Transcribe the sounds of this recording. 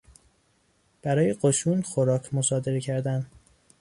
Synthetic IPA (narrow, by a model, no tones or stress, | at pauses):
b̥æɾɒːjeɢoʃuːnxoɾɒːcʰmo̞sɒːd̪e̞ɾecʰæɾd̪æn